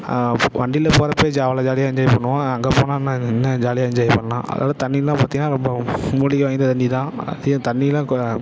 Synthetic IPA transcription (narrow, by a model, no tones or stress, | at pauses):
ʋɐɳɖɪlɐpoːɾɐpːoːd͡ʒaːʋalad͡ʒaːlɪjaːɪɲd͡ʒaːjɪpɐɳːɯʋãɐŋɡeːpoːnãːnːãːɛnːɐd͡ʒaːlɪjaːɪɲd͡ʒaːjpɐɳːɐlã̰ːʔɐ̰ðɐ̰a̰ːʋðɯt̪ɐɳːilãːpɐːt̪ɪŋnːaːɾɔmbɐmuːɽɪkːɐʋaːnd̪ɐt̪ɐnd͡ʒit̪ãːɐ̰ðɪjɐ̃t̪ɐɳːilãːk